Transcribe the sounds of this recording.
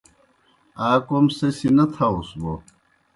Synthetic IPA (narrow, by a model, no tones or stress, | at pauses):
aːkomsɐsinɐt̪ʰausbo